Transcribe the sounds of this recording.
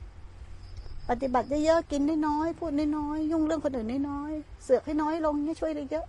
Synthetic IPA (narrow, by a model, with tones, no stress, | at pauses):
pa˨˩t̪ːi˨˩ba˨˩t̪̚jɤ˦˥jɤ˦˥ʔki˧nːaː˥˩jnɔː˦˥jpʰuː˥˩t̪̚naː˥˩nɔː˦˥jːu˥˩ŋɾɯ˥˩əŋkʰo˧nʔɯː˨˩nːaː˥˩jnɔː˦˥jsɯ˨˩ək̚ha˥˩jnɔː˦˥jlo˧ŋi˦˥˨t͡ɕʰu˥˩əjlɯ˦˧˥jɤ˦˥ʔ